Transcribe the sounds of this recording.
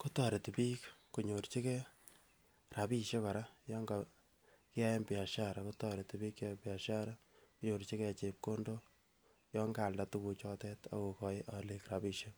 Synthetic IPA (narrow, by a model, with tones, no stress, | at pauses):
ko˦tɔ˨ɾe˨ti˨piː˦kku˨ɲo˨ɾt͡ʃi˦kɛ˦ | ra˨pi˦ʃe˦kɔ˨ɾa˦jɔ˦ŋɡa˨ | kɪ˦a˦je˦mpi˨a˨ʃa˦ɾa˨kotɔɾe˨ti˨pi˦kːa˦mpɪ˨a˨ʃa˦ɾa˦ | kuɲo˨ɾt͡ʃi˦kɛ˦˨t͡ʃe˨p̚ko˦ndo˦ | jɔ˦ŋɡa˨lda˦tu˦ku˧t͡ʃɔ˦tɛ˦ta̰˨ko˨kɔ˨ʔa˨le˨kɾa˨pi˨ʃe˦